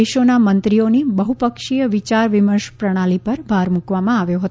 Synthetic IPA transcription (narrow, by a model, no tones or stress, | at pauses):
eʃonamənt̪ɾionibəɦupəkʃijəʋit͡ʃaɾʋɪməɾʃpɾəɽ̃alipəɾbʱaɾmukʋamãaʋjoɦət̪